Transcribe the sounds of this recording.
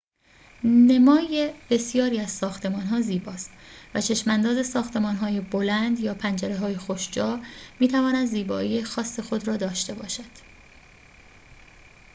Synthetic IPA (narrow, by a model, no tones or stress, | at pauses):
ne̞mɒːjeb̥e̞sijɒːɾiːæzsɒːxt̪ʰe̞mɒːnɦɒːziːbɒːst̪væt͡ʃʰe̞ʃmænd̪ɒːze̞sɒːxt̪ʰe̞mɒːnɦɒːjebolænd̪jɒːpʰænd͡ʒæɾeɦɒːjexoʃd͡ʒɒːmiːt̪ʰævɒːnæd̪ziːbɒ̰ːiːjexɒːsːe̞xo̞d̪ɾɒːd̪ɒːʃt̪e̞bɒ̰ːʃæd̪̥